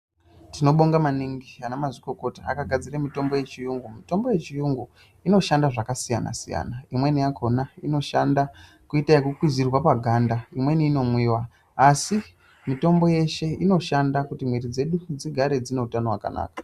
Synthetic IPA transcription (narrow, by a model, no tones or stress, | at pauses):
tino̞ɓoŋɡamaniŋɡianamaziko̞ko̞taa̰kaɡʱad͡ziramito̞mbo̞je̞t͡ʃijuŋɡumito̞mbo̞je̞t͡ʃijuŋɡu | ino̞ʃandaʐakasijana̰sija̰naimwe̞nijakʰo̞naino̞ʃanda | kuitajekukwizirwapaɡʱandaimwe̞niːno̞mwiːwaː | si | mito̞mbo̞je̞ʃe̞ino̞ʃandakutimweɾid͡ze̞ɗud͡ziɡʱaɾe̞d͡zine̞utano̞wa̰ka̰na̰ːkḁ